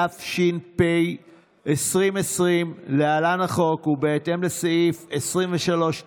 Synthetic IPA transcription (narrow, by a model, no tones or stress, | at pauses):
afʃinpej | esʁimesʁimlealanaχo̞kubeete̞mle̞saifesʁiɱveʃalo̞ʃ